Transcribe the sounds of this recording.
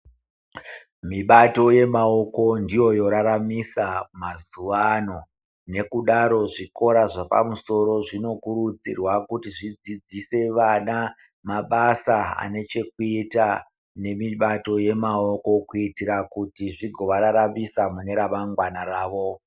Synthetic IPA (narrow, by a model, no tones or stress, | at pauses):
miɓato̞je̞mao̞ko̞ndijo̞jo̞ɾaɾamisamazuʋano̞ | ne̞kuɗaɾo̞ʐiko̞ɾaʐapa̰muso̞ɾo̞ʐino̞kurud͡zḭrwakutiʐid͡zid͡zise̞ʋana | maɓasaa̰ne̞t͡ʃe̞kuita | ne̞miɓato̞je̞mao̞ko̞kuitiɾakutiʐiɡʱo̞ʋaɾaɾamisamune̞ɾamaŋɡwanaɾaːʋo̞